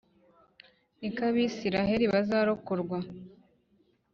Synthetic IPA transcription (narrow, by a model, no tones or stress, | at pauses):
nikaβiːsiɾaɦe̞ɾiβazaːɾokoɾɡwa